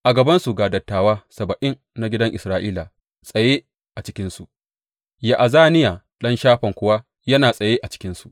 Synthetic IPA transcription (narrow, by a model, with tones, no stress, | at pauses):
ʔa˨ɡɐ˨bɐ˦nsu˨ɡaː˨dɐ˨tːaː˨waː˦sɐ˨bɐ˨ʔɪ˦n | na˦ɡʲɪ˦dɐ˦ŋʔɪ˨sɾaː˦ʔiː˦la˨ | sʼɐ˨jeː˦ | ʔa˨t͡ʃɪ̥˦kʲɪ˦nsu˨ | ja˨ʔa˨zaː˦nɪ˦jaː˨ | ɗɐ˦nʃaː˦ɸɐ˨ŋkʷʊ˦wa˦ | jɐ˦naː˨sʼɐ˨jeː˦ʔa˨t͡ʃɪ̥˦kʲɪ˦nsu˨ʔ